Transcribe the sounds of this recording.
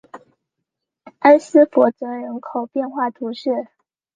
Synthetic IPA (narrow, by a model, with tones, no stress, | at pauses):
a˥nsɹ̩˥fɔ˧˥t͡sɤ˧˥ɻə˧˥nkʰo˨˩ʊpjɛ˥˧nxwa˥˩t̪ʰu˧˥ʂɻ̩˥˩